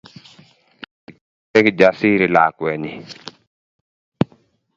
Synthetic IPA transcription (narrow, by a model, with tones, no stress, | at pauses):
ɛ˦kd͡ʒa˨si˦ɾɪ˨la˨kwɛ˨ɲɪ˨